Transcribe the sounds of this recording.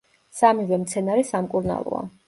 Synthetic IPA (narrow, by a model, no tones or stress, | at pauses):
samivɛmt̪sʰɛnaɾisamkʼuɾna̰lˠɔ̰a̰